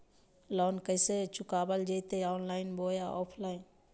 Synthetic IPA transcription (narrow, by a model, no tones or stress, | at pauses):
lɔːnkəɪset͡ʃʊkaːbəld͡ʒet̪eɔːnlaːɪnboːjaʔɔːpʰlaːɪn